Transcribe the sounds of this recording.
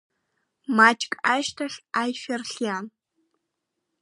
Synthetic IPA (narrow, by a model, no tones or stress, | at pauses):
maːt͡ʃʼkʼaːʃtʰɐɬaːjferɬjaːn